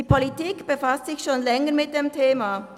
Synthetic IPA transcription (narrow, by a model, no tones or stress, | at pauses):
iːpʰolitiːkb̥əfastsɪçʃoːnlɛŋəmɪt̚d̥emtʰeːma